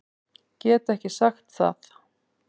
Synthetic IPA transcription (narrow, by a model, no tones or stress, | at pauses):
cɛːt̪ɛhcɪsaxt̪θa̰θ